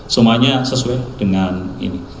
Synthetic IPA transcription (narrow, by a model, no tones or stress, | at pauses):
səmaɲasəsuɛd̥əŋanḭni